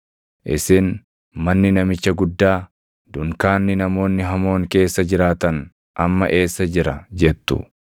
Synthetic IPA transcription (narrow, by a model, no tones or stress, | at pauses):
ʔɪ̰sɪn | mɐnːɪnɐmɪt͡ʃːɐɡʊd̪ːaː | d̪ʊŋkaːnːɪnɐmo̞ːnːɪɦɐmo̞ːŋke̞ːsːɐd͡ʒɪɾaːt̪ɐn | ʔɐmːɐ̰ʔe̞ːsːɐd͡ʒɪɾɐd͡ʒɛt̪ːʊ̰